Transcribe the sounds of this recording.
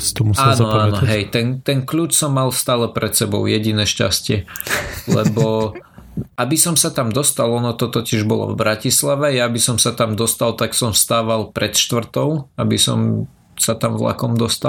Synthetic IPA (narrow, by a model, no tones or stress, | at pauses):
t̪ɔmusaːnɔaːɔɦɛjt̪ɛnt̪ɛnkʎuːt͡ʃsɔmːalst̪aːlɛpɾɛt̪sɛbɔ̰ʊjɛɟinɛːʃca̰scɪɛlɛ̰bɔ | abisɔmsat̪amd̪ɔst̪alɔnɔt̪ɔt̪ɔciʒbɔlɔ̰vbɾacislaʋɛjabisɔmsat̪amd̪ɔst̪alt̪aksɔmst̪aːʋalˠpɾɛt̪ʃt̪ʋr̩t̪ɔʊabisɔ̰m | sat̪amvla̰kɔmd̪ɔst̪al